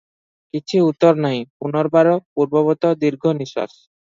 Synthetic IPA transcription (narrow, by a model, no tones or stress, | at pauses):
kit͡ɕʰiut̪ːoɾnɔjpunɔɾbaɾopuɾbɔβɔt̪od̪iɾɡʱoniʃa̰ʃ